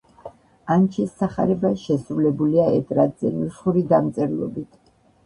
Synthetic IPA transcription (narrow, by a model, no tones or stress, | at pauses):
ant͡ʃʰɛsːaχa̰ɾɛbaʃɛsɾulɛbuliaɛt̪ʼɾad̪zɛnusχuɾid̪amt̪sʼɛɾlˠɔ̰bit̪ʰ